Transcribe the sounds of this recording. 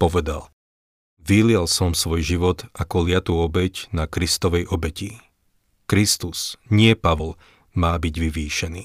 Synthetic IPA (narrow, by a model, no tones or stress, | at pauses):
pɔʋɛd̪a̰l | ʋilɪɛlsɔmsʋɔjʒiʋɔd̪akɔlɪat̪uːɔbɛcnakɾist̪ɔʋɛjʔɔbɛci | kɾist̪usɲɪɛpaʋɔl | maːbiɟʋiʋiːʃɛniː